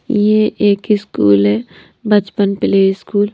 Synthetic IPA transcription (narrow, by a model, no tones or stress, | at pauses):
jeʔeːkɪskṵːlɦɛː | bʱɐt͡ʃpənpɪleːiskuːl